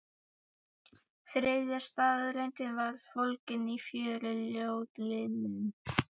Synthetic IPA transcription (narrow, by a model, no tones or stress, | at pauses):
θɾeːjðjaɾ̥st̪aːððɾɛjnt̪ɪnvaɾ̥fowlcɪnifjœːɾʏljoːwt̪lɪnɪn